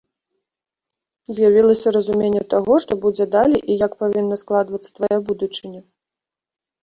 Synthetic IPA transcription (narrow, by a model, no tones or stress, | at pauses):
zʲjavʲilˠɐsʲɐɾɐzumʲenʲːɛt̪aɣɔʂt̪ɔbud͡zʲɛd̪alʲiʔijɐkpavʲinːɐsklˠad̪vɐt̪sɐ̥t̪vajabud̪ut͡ʂɨnʲɛ